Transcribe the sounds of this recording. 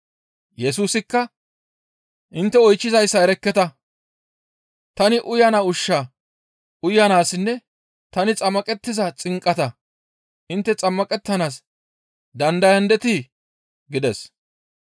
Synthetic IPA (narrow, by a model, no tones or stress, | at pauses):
jɛs̬uːsɪkːɐ | ʔɪnt̪ːɛɔjt͡ʃːɪzɐjsːɐɛɾɛkːɛt̪ɐ | t̪ɐnɪʔʊjɐnaːʊʃːaː | ʔʊjɐnaːsɪnːɛ | t̪ɐnɪt͡sʼɐmːɐkʼɛt̪ːɪzɐt͡sʼɪŋkʼːɐt̪ɐ | ʔɪnt̪ːɛt͡sʼɐmːɐkʼɛt̪ːɐnaːs | d̪ɐnd̪ɐjɐnd̪ɛt̪iː | ɡɪd̪ɛs